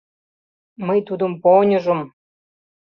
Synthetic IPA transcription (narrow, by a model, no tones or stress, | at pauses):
məjt̪ud̪ə̆mponʲɤ̆ʒə̆m